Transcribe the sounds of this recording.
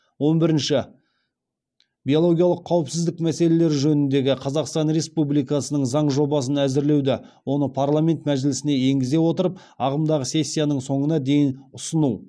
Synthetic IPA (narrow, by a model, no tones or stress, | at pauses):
wo̞nbɪɾɪnʃɪ | bʲijo̞lˠo̞ɡʲijɑlˠəqʰːɑwəpsɪzd̪ɪkmæse̞le̞le̞ɾʒɵnɪnd̪e̞ɡʲɪqʰɑzɑqst̪ɑnɾe̞spublijkɑsənəɴzɑɴʒo̞bɑs̬ənæzɪɾle̞wd̪ɪ | wo̞nəpʰarlˠamʲe̞nt̪mæʒɪlɪsɪne̞je̞ŋɡʲɪze̞wo̞t̪əɾəp̚ | ɑʁəmd̪ɑʁəse̞sʲːijanəɴso̞ɴənɑd̪e̞jɪnʊsənu